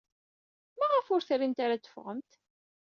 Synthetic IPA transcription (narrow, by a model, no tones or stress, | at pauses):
mæʁəfʊɾθɾimt̪aɾat͡s̪ːə̥fʁəmt̪